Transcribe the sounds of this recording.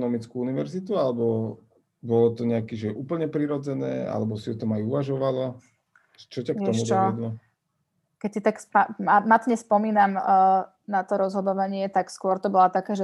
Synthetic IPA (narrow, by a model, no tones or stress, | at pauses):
nɔmit͡skuuniʋɛ̰ɾzit̪ualɛbɔ | bɔlɔt̪ɔɲɛakiʒɛʔupl̩ɲɛpɾiɾɔd͡zɛnɛ̰ːa̰lɛbɔsiɔt̪ɔmajuʋaʒɔʋalɔ | t͡ʃɔcakk̪ɔmudt͡ʃ̪ɔd̪lɔ | kɛcsit̪akspamamat̪ɲɛspɔmiːnamː | nat̪ɔɾɔzɦɔd̪ɔʋaɲɪɛt̪akskʊɔɾt̪ɔbɔlat̪akaːʒɛ